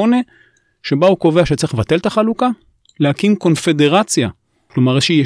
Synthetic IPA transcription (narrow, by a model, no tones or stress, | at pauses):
one | ʃe̞bauko̞veaʃet͡sivat̪e̞lt̪aχaluka | lehakimko̞nfe̞de̞ʁat͡sja | klo̞maʁeʃeje